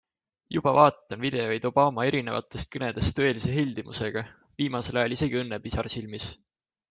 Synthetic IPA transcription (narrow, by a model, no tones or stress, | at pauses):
jub̥ɑvɑːt̪ːˑɑnvid̪̥e̞ojd̪̥o̞b̥ɑːmɑe̞ɾine̞vɑ̰t̪ːˑe̞st̪̚kɤne̞d̪̥e̞st̪ːɤ̞e̞lise̞ɦilʲd̪̥imṵse̞ɡ̥ɑ | viːmɑse̞lɑjɑlise̞ɡ̥iɤnːeb̥isɑrsilmis